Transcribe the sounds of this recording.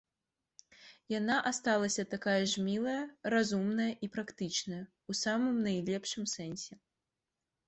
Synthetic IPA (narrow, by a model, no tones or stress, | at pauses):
janaʔast̪alˠɐsʲɐt̪akajɐʐmʲilˠɐjɐrazumnɐjɐʔipɾakt̪ɨt͡ʂnɐjɐ | usamɨmnɐjlʲɛpʂɨmsɛnʲsʲɛ